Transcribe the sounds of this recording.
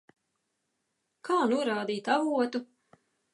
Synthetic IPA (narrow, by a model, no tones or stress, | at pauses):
kʰaːnuɔɾaːd̪iːt̪avuɔt̪u